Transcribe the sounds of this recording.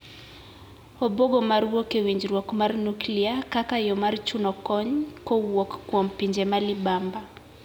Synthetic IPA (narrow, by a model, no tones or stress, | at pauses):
ɔbɔɡɔmaɾwɔkewiɲd͡ʒɾwɔkmarnukliakakajɔmaɾt͡ʃunɔkɔɲkɔwɔkkwɔm̩piɲd͡ʒɛmalibamba